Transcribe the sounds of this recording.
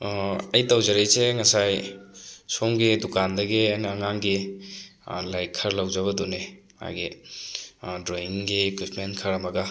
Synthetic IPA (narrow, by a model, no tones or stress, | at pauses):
ɐjtawzɐɾejseŋɐsaj | soŋɡidukandɐɡiajnːŋaŋɡi | lajkʰːɐɾlawzɐβɐdune | a̰jɡi | dɾoiŋɡikɾitmenkʰɐɾɐmɐɡɐ